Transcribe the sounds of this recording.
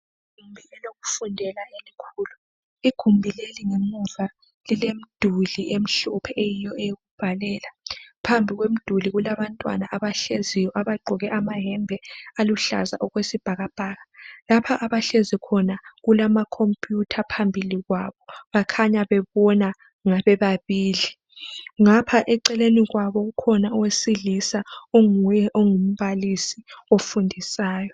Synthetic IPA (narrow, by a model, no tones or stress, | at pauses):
iɡɡɡ̥ʱumbʱiɛloɣu̥fundʱɛlaelikʰuːlu | iɡ̥ʱumbʱileliŋemuva | lilem̩d̥ʱuliʔem̩ɬupʰɛʔejijɔejoɣub̥ʱalɛːlapʰambʱiɣwem̩d̥ʱuliɣulaβantʼwa̰naʔaβaɬezijɔʔaβaɡ͡ǃʱɔɣɛʔamaɦɛmbʱɛaluɬa̰za̰ʔuɣwesib̥ʱaɣab̥ʱaːɣalapʰaʔaβaɬezikʰɔnaɣulamakʰompʼjutʰapʰambʱiliɣwaβɔβakʰaɲaβɛβɔna | ŋaβɛβaβiːli | ŋapʰaʔɛǀɛleniɣwaβɔɣukʰɔnaɔwesiɮisaoŋujɛʔoŋum̩βalisiofundʱisaːjɔ